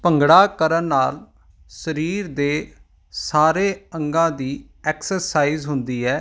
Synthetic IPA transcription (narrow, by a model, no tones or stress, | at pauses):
pəŋɡɽaːkəɾənːaːl | səɾiːɾd̪eː | saːɾeːəŋɡãːd̪iː | ɛːksəɾsaːiːzɦʊnd̪iːɛː